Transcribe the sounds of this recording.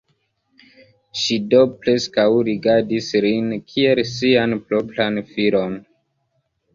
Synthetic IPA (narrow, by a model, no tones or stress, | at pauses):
ʃido̞pɾe̞skawɾiɡaɾdislinkʰielsianploplanfiɾo̞n